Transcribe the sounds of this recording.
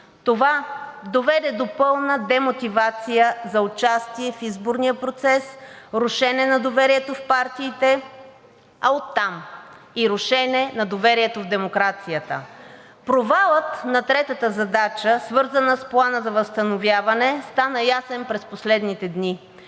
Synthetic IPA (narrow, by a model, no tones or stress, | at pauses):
t̪ovad̪ovɛd̪ɛd̪opɤlˠnəd̪ɛmot̪ivat̪sijəzɐot͡ʃast̪iɛfizboɾnijəpɾot̪sɛsɾʊʃɛnɛnɐd̪ovɛɾiɛt̪ofpaɾt̪iːt̪ɛ | ɐot̪ːam | iɾʊʃɛnɛnɐd̪ovɛɾiɛt̪ovd̪ɛmokɾat̪sijət̪ə̰ | pɾovalˠət̪nɐt̪ɾɛt̪ət̪əzɐd̪at͡ʃəsvɤɾzənəsplˠanəzɐvəst̪ɐnovjavɐnɛst̪anəjasɛnpɾɛsposlɛd̪nit̪ɛd̪ni